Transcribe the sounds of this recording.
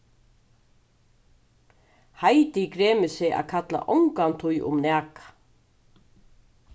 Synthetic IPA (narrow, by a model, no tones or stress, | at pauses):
hajt̪ɪkɾeːmɪsɪʔa̰kʰat̪la̰ʔɔ̰wŋkant̪ʰʊjʔʊ̰mnɛːkḁ